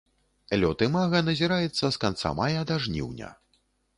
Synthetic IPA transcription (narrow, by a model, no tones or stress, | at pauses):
lʲɔt̪ɨmaɣɐnɐzʲiɾajɛt̪sːɐskant̪sa̰majɐd̪aʐnʲḭwnʲɐ̰